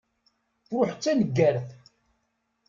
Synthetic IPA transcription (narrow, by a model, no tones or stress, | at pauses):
θɾʊħt͡sːænəɡːæɾθ